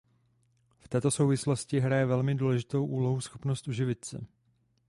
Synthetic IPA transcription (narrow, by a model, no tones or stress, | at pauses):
ft̪ɛːt̪o̞so̞wvɪslo̞scɪɦɾajɛvɛlmɪduːlɛʒɪt̪o̞wʔuːlo̞ɦusxo̞pnost̪ʔuʒɪvɪt̪sɛ̰